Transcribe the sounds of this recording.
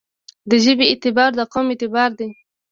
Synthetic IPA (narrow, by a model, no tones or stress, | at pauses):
d̪əʒəbeːt̪ɪbɑɾd̪əqomɪt̪ɪbɑɾd̪e